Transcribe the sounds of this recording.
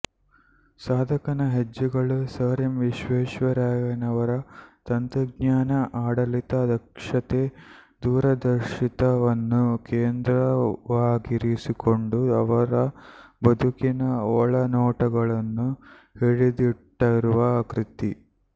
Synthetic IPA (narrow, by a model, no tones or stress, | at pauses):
saːd̪ʱɐkɐnɐɦed͡ʒːuɡɐɭusəːɾɐmʋiʃʋeːʃʋɐɾaːjɐnɐʋɐɾɐt̪ɐnt̪ɾɐɡɲaːnɐʔaːɽɐlit̪ɐd̪ɐkʂɐt̪eː | d̪uːɾɐd̪ɐɾʃit̪ɐʋɐnːukeːnd̪ɾɐʋaːɡiɾisiko̞ɳɖuɐʋɐɾɐbɐd̪ʱukinɐɔɭɐnɔːʈɐɡɐɭɐnːu | heɭid̪iʈːɐɾuʋɐkɾit̪i